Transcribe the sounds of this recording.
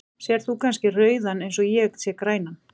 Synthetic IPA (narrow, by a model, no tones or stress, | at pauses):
sjɛɾ̥θukʰanscɪrœːɥðanejnsɔɣjɛksjɛkɾaːjnan